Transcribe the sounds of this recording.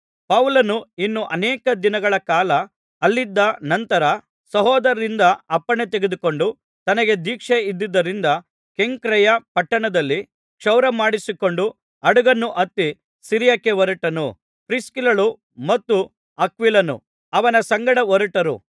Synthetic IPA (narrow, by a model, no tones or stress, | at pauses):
pɐwlɐnuinːuʔɐnɛːkɐd̪inɐɡɐɭɐkaːlɐː | lːid̪ːɐnɐnt̪ɐɾɐ | sɐɦɔːd̪ɐɾɐɾind̪ɐɐpːɐɳet̪eɡed̪uko̞ɳɖu | t̪ɐnɐɡe̞d̪iːkʂeid̪ːid̪ːɐɾind̪ɐ | ke̞ŋkɾɛjɐpɐʈːɐɳɐd̪ɐlːi | kʂɐwɾɐmaːɽisiko̞ɳɖu | ɐɽuɡɐnːuʔɐt̪ːi | siɾjɐkːeʋɐɾɐʈɐnu | pɾiskilɐɭu | mɐt̪ːu | ɐkʋilɐnṵ | ɐʋɐnɐsɐŋɡɐɽɐʋɔɾɐʈɐɾṵ